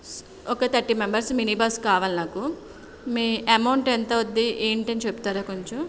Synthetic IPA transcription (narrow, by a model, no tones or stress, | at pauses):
ɔkɐt̪ɐʈːimembɐɾsminiːbaːskaːʋaːlinaːku | miːɐmɐwɳʈent̪ɐʋod̪ːiʔeːɳʈeːnit͡ʃebut̪aːɾaːkoɲt͡ʃum